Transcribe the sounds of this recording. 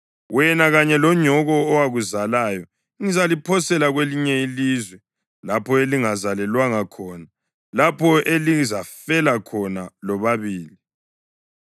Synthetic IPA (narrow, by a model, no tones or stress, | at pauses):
wɛnaɣaɲɛlɔɲɔɣɔːwaɣuzalaːjɔ | ŋizalipʰɔsɛlaɣweliɲɛilizwɛ | lapʰɔeliŋazalɛlwaŋakʰɔːna | lapʰɔelizafɛlakʰɔnalɔβaβiːli